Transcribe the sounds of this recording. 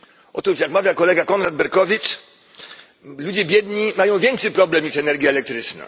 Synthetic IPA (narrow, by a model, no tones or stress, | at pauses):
ʔɔ̰t̪uʂjakmavʲjakɔlɛɡakɔnɾad̪̚bɛɾkɔvʲitt͡ʂ | lud͡ʑɛbʲjɛd̪ɲimajɔ̃w̃vʲjɛŋkʂɘpɾɔblɛmɲiʂɛnɛɾɡʲjaːlɛk̚t̪ɾɘt͡ʂna̰